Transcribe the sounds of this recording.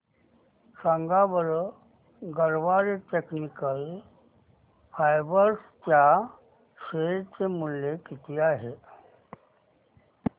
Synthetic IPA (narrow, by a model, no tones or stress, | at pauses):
səŋɡabəɾ | ɡəɾʋaːɾeʈeknikəl | pʰajbəɾskja | ʃeɾt͡semʊlːekɪt̪ijaɦe